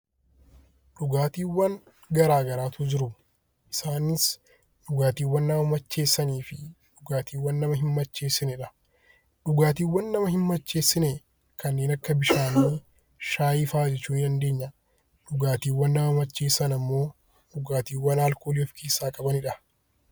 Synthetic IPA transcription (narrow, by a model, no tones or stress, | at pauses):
ᶑʊɡaːt̪iːwːɐn | ɡɐɾaːɡɐɾaːt̪ʊd͡ʒɪɾʊ | ʔɪsaːnɪs | ᶑʊɡaːt̪iːwːɐnːaːmɐt͡ʃːe̞ːsːɐniːfɪ | ᶑʊɡaːt̪ʰiːwːɐnːɐmɐɦɪmːɐt͡ʃːe̞ːsːɪnɛᶑɐ | ᶑʊɡaːt̪iːwːɐnːɐmɐhɪmːɐt͡ʃːe̞ːsːɪnɛ | kɐnːe̞ːnɐkːɐbɪʃaːniː | ʃaːjɪfaːd͡ʒɛt͡ʃːuːnɪᶑɐnd̪e̞ːɲːɐ | ᶑʊɡaːt̪iːwːɐnːaːmɐt͡ʃːeːsːɐnɐmːo̞ː | ᶑʊɡaːt̪iːwːɐnaːlkoːliɔfkʰeːsːaːkʼɐbɐnɪᶑɐ